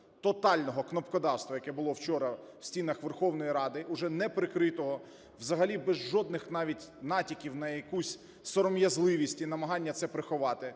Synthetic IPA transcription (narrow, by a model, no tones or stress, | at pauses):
t̪ɔt̪ɑlʲnɔɦɔknɔpkɔd̪ɑwst̪ʋɐjɐkɛbʊlˠɔwt͡ʃɔɾɐ | wsʲtʲinɐxʋerxɔwnɔjiɾɑd̪ɪʔʊʒɛnɛpɾɪkɾɪt̪ɔɦɔ | wzɐɦɐlʲibɛzʒɔd̪̚nɪxnɑʋʲitʲnɑtʲikʲiwnɐjɐkusʲ | sɔɾɔmjɐzlˠɪʋʲisʲtʲinɐmɐɦɑnʲːɐt̪sɛpɾɪxʊʋɑt̪ɪ